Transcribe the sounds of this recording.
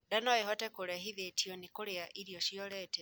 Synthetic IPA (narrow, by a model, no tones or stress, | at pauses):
danɔehɔtɛkoɾaɦiðetiɔnikoɾeaʔiɾjɔʃiɔɾɛtɛ